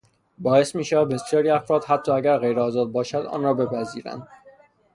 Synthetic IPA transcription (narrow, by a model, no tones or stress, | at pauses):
bɒːe̞smiːʃævæd̪̚be̞sijɒːɾiːæfɾɒːd̪̥hæt̪ʰːɒːæɟæɾɣe̞jɾeɒːzɒːd̪̚bɒːʃæd̪ɒ̰ːnrɒːbe̞pʰæziːɾæ̰nd̪̥